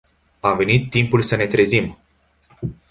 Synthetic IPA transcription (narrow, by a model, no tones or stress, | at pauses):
ave̞nit̪ːimpulsəne̞t̪ɾe̞zim